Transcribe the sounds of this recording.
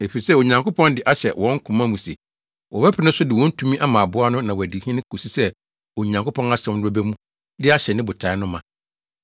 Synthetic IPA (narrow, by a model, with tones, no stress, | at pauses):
e˨fi˨i˨sɛ˦o˨ɲã˨ŋkʊ˦pʰɔ̃˦ndɪ˨ʔa˦ɕɛ˨wʔɔ̃˨˦ŋ̩˦kʰũ˨mã˦mũ˨sḛ˨ | wɔ˨bɛ˦pʰɪ˨nʊ̃˦sʊ˦dɪ˨wɔ̃˦n̩˦tʰũ˦mĩ˦ʔa˦mã˨bʊ˦a˦nʊ̃˦nã˨wɔ˨æ˨di˨hĩ˦nɪ̃˦kʰo˨si˦sɛ˦ | o˨ɲã˨ŋkʰʊ˦pʰɔ̃˦na˦sɛ̃˨˦o˦bɛ˦mũ˦ | dɪ˦a˦ɕɛ˨nɪ̃˦bʊ˨tʰa˨ɪ˦nʊ̃˦mã˨